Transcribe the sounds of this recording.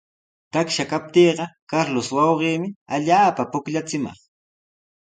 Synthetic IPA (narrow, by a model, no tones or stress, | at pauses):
t̪akʃakap̚t̪iːɢɑkaɾlʊswɑwɢiːmɪaʎaːpapʊkʎat͡sɪmɑ̰χ